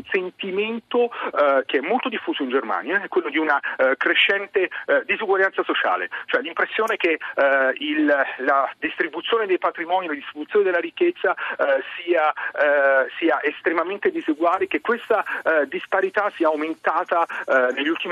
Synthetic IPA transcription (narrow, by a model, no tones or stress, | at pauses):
nsent̪iment̪ok̟eɛmːolt̪od̪ifːuːzoind͡ʒerma̰ːnjaɛkːwelːod̪iunakɾeʃːɛnt̪ed̪izuɡwaljansasot͡ʃa̰ːlḛt͡ʃoɛlːimpɾesːjoːneke | illad̪ist̪ɾibut̪sjoːned̪ejpat̪ɾimɔːnilad̪ist̪ɾibut̪sjoned̪elːaɾikːet̪sːasiːa | siːaʔest̪ɾemament̪ed̪izuɡwaːlek̟ekːwest̪ad̪ispaɾit̪asiːaːwment̪aːt̪anelʎːult̪im